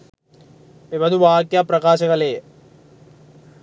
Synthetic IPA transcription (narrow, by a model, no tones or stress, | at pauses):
pimɐd̪uʋaːkjaprɐkaːɕɐɣɐleː